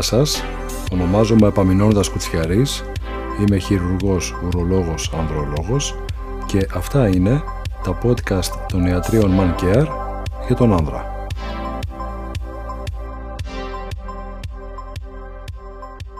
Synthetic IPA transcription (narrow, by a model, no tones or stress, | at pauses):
sɐs | o̞no̞mɐzomeːpɐmino̞not̪ɐskut͡sçɐɾis | ime̞çiɾuɾɣo̞suɾo̞lo̞ɣo̞sɐnðɾo̞lo̞ɣo̞s | ce̞ʔɐft̪ɐine̞ | t̪ɐpo̞t̪kɐst̪ːo̞niɐt̪ɾio̞nmɐnceɐɾcɐt̪o̞nɐnðɾɐ̰